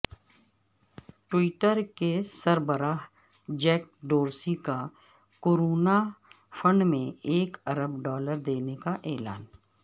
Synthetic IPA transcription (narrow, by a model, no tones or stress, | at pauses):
ʈwiːʈəɾkesəɾbəɾaːɦ | d͡ʒɛːk̚ɖoːɾsika | koːɾoːna | fʰə̃ɳɖmẽeːkɐɾəbɖɔːləɾd̪eːnekaʔɛːla̰ːn